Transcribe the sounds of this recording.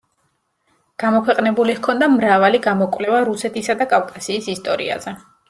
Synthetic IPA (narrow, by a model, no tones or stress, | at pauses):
ɡ̥amɔkʰwɛqʼnɛbulikʰɔnd̪amɾavaliɡamɔkʼvlɛvaɾusɛt̪ʰisad̪akʼafkʼasiːsist̪ʼɔɾḭa̰z̥ɛ